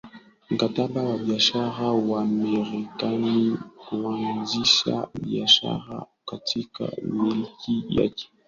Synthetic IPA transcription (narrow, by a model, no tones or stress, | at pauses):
m̩katabawabiaʃaɾawaamɛɾikanikuanziʃa̰biaʃa̰ɾa̰ | katʰika̰milikija̰ki̥